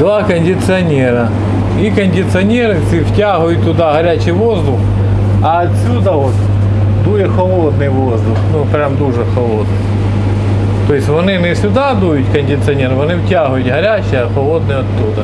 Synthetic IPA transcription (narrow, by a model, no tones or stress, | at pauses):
d̪ʋakɐnʲdʲɪt̪sɨɐnʲeɾɐ | ikɐnʲdʲɪt̪sɨɐnʲeɾɨsʲiʋtʲaɦʊjʊt̪̚ʲt̪ːʊd̪aɦɐɾʲat͡ɕɪjʋozd̪ʊx | ɐɐt̪ʲsʲud̪ɐot̪ | d̪ujɪxɐlˠod̪nɨjʋozd̪ʊxnupɾʲamd̪uʐɛxɐlˠod̪nɨj | t̪ojɪsʲtʲʋɐnɪnɛsʲʊd̪ad̪ujʊt̪ʲkɐnʲdʲɪt̪sɨɐnʲeɾɨʋɐnɪwtʲaɦʊjʊt̪ʲɦɐɾʲæt͡ɕɪjɐxɐlˠod̪̚nɨjɐt̪ːud̪ɐ